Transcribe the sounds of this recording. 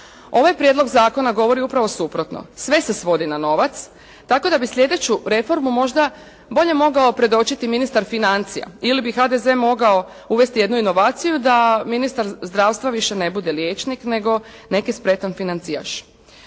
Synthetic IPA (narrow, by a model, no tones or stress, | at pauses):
o̞ʋajpɾjed̪lo̞ɡzaːko̞naɡo̞ʋo̞ɾiupɾaʋo̞supɾot̪no̰sʋe̞sesʋo̞d̪inano̞ʋat̪s | t̪ako̞d̪abisʎʲe̞d̪e̞t͡ɕuɾe̞fo̞ɾmumo̞ʒd̪a | bo̞ʎe̞mo̞ɡao̞pɾe̞d̪o̞t͡ʃit̪iminist̪aɾfinant̪sija̰ilibixad̪ezemo̞ɡao̞ | uʋe̞st̪ije̞d̪nuino̞ʋaːt̪sijud̪aminist̪aɾzd̪ɾaːʋst̪ʋaʋiʃene̞bud̪e̞ljeːt͡ʃnikne̞ɡo̞ | ne̞kispɾe̞t̪anfinant̪sia̰t͡ʃ